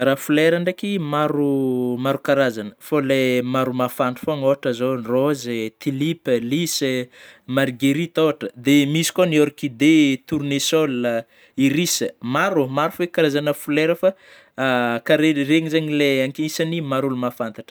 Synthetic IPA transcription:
rafuleɾaɳɖ͡ʐekimaɾumaɾukaɾazanə̥folemaɾumafanɳʈ͡ʂu̥foaŋoɦaʈ͡ʂəzonrozt̪ilipəlisəmaɾɡeɾit̪oaʈ͡ʂəd̪emisi̥koniɔɾkid̪et̪uɾunesolə | iɾisəmaɾumaɾufekaɾazanəfuleɾəfa | kaɾereŋizaɲileaŋkiisanimaɾulumafant̪aʈ͡ʂə̥

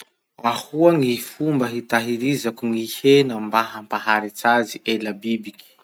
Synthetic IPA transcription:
ahuaŋifumbəɦit̪aɦiɾizakuŋihenəmbaɦampaɦaɾit͡saziʔelabibiki̥

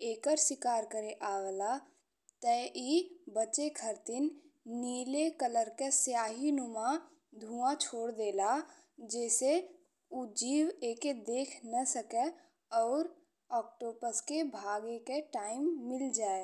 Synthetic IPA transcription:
eːkəɾsɪkaːɾkəɾeʔaːɡla | t̪əʔibət͡ʃekʰəɾt̪ɪn | niːlekələɾkesjaːɦinʊmã | d̪ʱũːãt͡ʃʰoːɽd̪eːla | d͡ʒɛːse | ud͡ʒiːweːked̪eːkʰnəsəkɛ | ɔːɾ | ɔːk̚ʈoːbəskebʱaːɡekeʈaːɪmːɪld͡ʒaːe

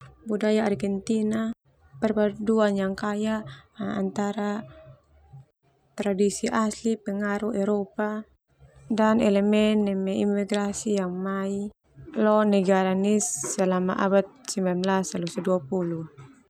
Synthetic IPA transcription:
budajaarɡɛnt̪ina | pɛrbaduanjaŋkajaʔa̰nt̪aɾa | t̪ɾadisiʔaslipɛŋaɾuɛɾɔpa | danɛlɛmɛnːɛmɛimːiɡɾasijaŋmai | lɔnɛɡaɾanisːɛlama̰ʔa̰bat̪̚simamlasalusaduapulu

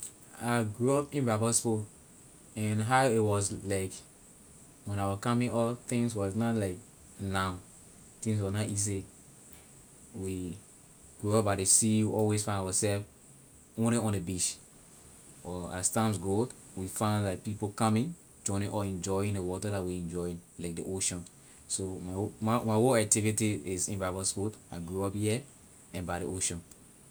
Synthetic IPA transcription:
aɡɹuɔpĩnbabɔspo | ɛ̃nɦaʊitwɔslaɪk | wɛ̃nawɔkamĩnɔt̪ĩŋswɔsnɔlaɪk | naʊ | t̪ĩŋs̬wɔnaiz̬i | wi | ɡ̥ɹuɔp̚baɪdesiwiɔlwesfãɪ̃ndawɔsɛlf | õnĩɔ̃ndebiʃ | ɔastãmsɡot | wifãɪ̃ndlaɪk̚pipokamĩn | d͡ʒɔ̃ɪ̃nĩnʔɔɛ̃nd͡ʒɔĩŋndewɔtədatwiɛ̃nd͡ʒɔĩnlaɪk̚deʔoʃɔ̃n | somammawoak̚tivitiisĩnvavɔspɔtaɡɹuɔphiɛ | ɛ̃nbaɪɾeʔoʃɔ̃n

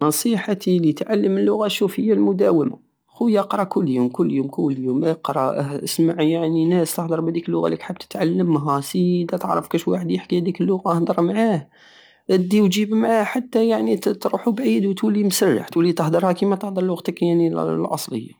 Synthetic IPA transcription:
nɑsˤiħat̪ʰilit̪ʕalːəməlːʊɣaʃufəjːalmʊd̪æwəma̰ | xujʔɑqɾˤɑkʊlːjumkʊlːjumkʊlːjumqɾˤɑəsmaʕjaʕninæst̪əhd̪əɾˤbæd̪ikəlːʊɣa̰likħəb̚t̪ə̥t̪ʕalːəmːɦæsid̪æt̪əʕɾˤə̰fkæʃwaħəd̪jəħkihæd̪iklːʊɣaʔhd̪ˤəɾˤmʕah | d̪iwd͡ʒibmʕahħat̪ːæjaʕnit̪ɾuħubʕid̪wt̪wlːimsərːa̰ħt̪wəlːit̪əhd̪əɾˤhækimæt̪əhd̪ˤəɾˤlwɑɣt̪əkjaʕnilʔɑ̰sˤlə̰jːa̰

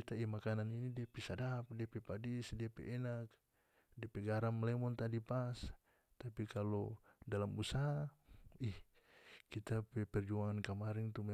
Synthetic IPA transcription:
it̪aimakananinidiapisadap̚diapɛpadisdiapɛ̰ʔɛnak̚ | diapɛɡaɾamlɛmɔnt̪adipas | t̪apikalɔdalamusaɦaihkit̪apɛpɛrd͡ʒuaŋankəmaɾɛŋt̪umɛ

